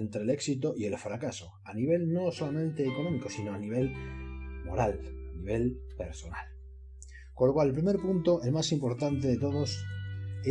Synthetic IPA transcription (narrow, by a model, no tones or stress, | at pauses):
ent̪ɾe̞le̞ksit̪oʔie̞lfɾakaso̞ | aniβ̞e̞lno̞so̞lamẽnt̪e̞ːko̞nõ̞miko̞sino̞aniβ̞e̞l | mo̞̰ɾalaniβ̞e̞lpe̞ɾso̞na̰l | konlːo̞kwalepɾime̞ɾpunt̪o̞e̞lmasimpo̞ɾt̪ant̪e̞ðe̞t̪o̞ðo̞se